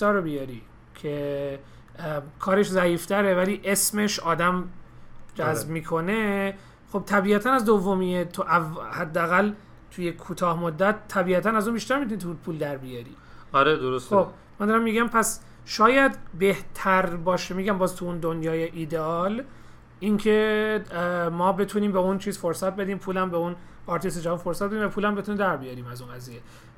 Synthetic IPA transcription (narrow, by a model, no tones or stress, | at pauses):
sɒːɾobijɒɾi | cʰe | kʰɒːɾe̞ʃzæiːft̪ʰæɾevæliːʔe̞sme̞ʃɒːd̪æm | d͡ʒæzbmiːkʰo̞ne̞ | χob̥̚t̪ʰæbiːæt̪ʰænæzd̪ovːomiːet̪ʰuʔævhæd̪ːeæɣæl | t̪ʰujekʰuːt̪ʰɒːhmod̪ːæt̪ʰːæbiːæt̪ʰænæzunbiːʃt̪æɾmit̪unit̪ʰupʰuːld̪æɾbijɒɾḭː | ɒɾed̪oɾosob | mænd̪ɒːɾæmːiːɟæmpʰæs | ʃɒːjæd̪be̞ht̪ʰæɾbɒːʃemiːɡæmbɒːzt̪ʰuund̪onjɒːjeʔiːd̪eɒl | iŋcʰe | mɒːbe̞t̪ʰuniːmbeunt͡ʃʰiːzfoɾsæt̪̚be̞d̪iːmpʰuːlæmbeunɒɾt̪ʰised͡ʒævɑnfo̞ɾsæt̪beiːmvæpʰuːlæmbet̪unimd̪æɾbijɑːɾiːmæzuːnɡæzije